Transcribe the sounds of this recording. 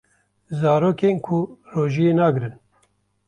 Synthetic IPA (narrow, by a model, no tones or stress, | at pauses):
zɑːɾoːkeːnkʰuroːʒijeːnaːɡɨɾɨn